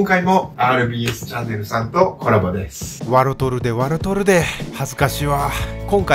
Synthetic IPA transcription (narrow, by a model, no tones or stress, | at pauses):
ŋkaimo̞aːɾɯ̟bʲiːesɨ̥t͡ɕanːe̞ɾɯ̟sãnt̪o̞ko̞ɾabod̪esɨ̥βaɾot̪o̞ɾɯ̟d̪e̞βaɾot̪o̞ɾɯ̟d̪e̞hazɨkaɕiβakõ̞ŋka